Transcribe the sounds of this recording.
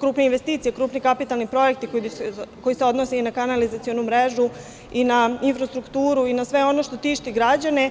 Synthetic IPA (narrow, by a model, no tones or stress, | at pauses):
kɾuːpneinʋe̞st̪iːt̪siekɾuːpnikapit̪alˠnipɾo̞jek̚t̪ikoko̞jiseo̞d̪nosiinakanalizat̪ijo̞numɾeʒu | inainfɾast̪ɾukt̪uːɾuinasʋe̞o̞no̞ʃt̪o̞t̪iːʃt̪iɡɾad͡ʑane̞